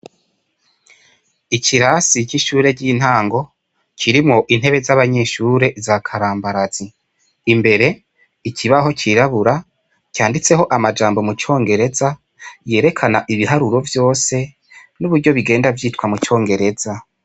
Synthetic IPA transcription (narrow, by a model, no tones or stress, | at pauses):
iciɾasit͡ʃiʃuːɾe̞ɟin̥haːŋɡo̞ | cʰiɾimŋo̞ʔin̥he̞βe̞zaβaɲe̞ːʃuːɾe̞zakʰaɾaːmbaɾaz̥iː | mbe̞ɾe̞ | iciβaɦo̞t͡ʃiɾaβuɾa | caːndit͡se̞ɦo̞ʔamad͡ʒaːmbo̞mut͡ʃo̞ːŋɡe̞ɾe̞za | je̞ːɾe̞kʰanaʔiβiɦaɾuɾo̞vjo̞ːse̞ | nuβuɾɟo̞βiɡe̞ːndavjiːtkwamut͡ʃo̞ːŋɡe̞ɾe̞za